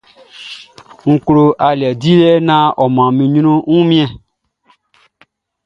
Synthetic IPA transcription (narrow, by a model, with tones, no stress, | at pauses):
ŋ̩˨klo˨ʔa˨li˨ɛ˨di˦lɛ˦nã˦ʔɔ˨mã˨mĩ˨ɲ˦nõ˦ŋũ˦mĩ˦ɛ̃˨